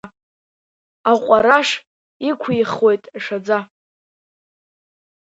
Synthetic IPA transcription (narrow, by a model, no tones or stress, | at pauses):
aqʷʼaɾaʂ | ikʷʰiχwo̞jtʼʂad͡za